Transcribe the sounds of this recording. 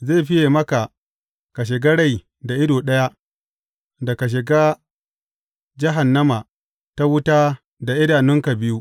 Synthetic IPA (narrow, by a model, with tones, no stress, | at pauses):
ze˦˨ɸɪ˦je˨mɐ˦ka˨ | ka˨ʃ̬ɪ˨ɡa˦ɽa˦˨j | da˨ʔɪ˦doː˨ɗɐ˦ja˦ | da˨ka˨ʃ̬ɪ˨ɡaː˦ | d͡ʒɪ˦ɦa˨nːɐ˦ma˨ | ta˦wʊ˦taː˦ | da˨ʔɪ˦daː˨nɪ˦ŋka˨bɪ˦ju˦ʔ